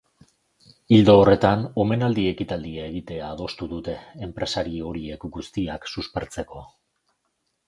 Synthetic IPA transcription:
ild̪o̞ːre̞t̪ano̞me̞nald̪ie̞kit̪ald̪iae̞ɣ̞it̪e̞aːðo̞st̪uðut̪e̞ːmpɾe̞saɾio̞ɾie̞kɡust̪iaksuspe̞ɾt͡se̞ko̞

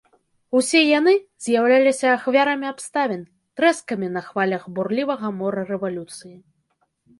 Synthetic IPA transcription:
usʲɛjanɨzʲjawlʲalʲisʲɐːxvʲaɾɐmʲiapst̪avʲɛn | t̪ɾɛskɐmʲinɐxvalʲɐɣburlʲivɐɣɐmɔɾɐrɛvalʲut̪sɨji

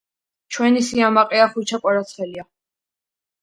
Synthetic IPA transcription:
t͡ʃʰwɛnisiamaqʼɛaχut͡ʃʰapʼaɾat̪sʰχɛlia

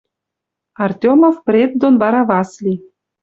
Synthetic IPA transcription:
ɑrtʲomofprʲet̪̚d̪onβɑɾɑβɑslʲi

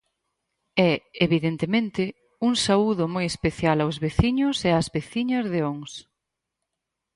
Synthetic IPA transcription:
ɛeβiðent̪emẽnt̪ɪ | uŋsauðʊmojespeθjalawzβeθiɲʊseazβeθiɲɐzðeoŋs

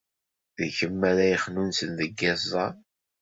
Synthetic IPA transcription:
ðəçəmːæɾæjəχnunsənðəɡːæzˤɑ

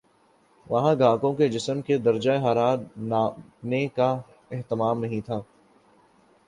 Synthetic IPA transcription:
ʋɐɦãɡãːkõked͡ʒɪsəmked̪ɐɾd͡ʒaeɦaːɾaːɾnaː | neka | ɛɦt̪ɪmaːmnɐɦĩt̪ʰaː

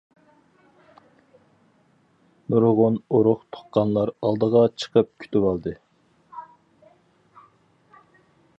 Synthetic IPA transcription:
nuɾʁʊnoɾʊχt̪ʰo̥qqːɑnlˠɑɾɑlˠd̪əʁɑt͡ʃʰə̥qʰəp̚kʲʰy̥t̪ywɑlˠd̪ɨ

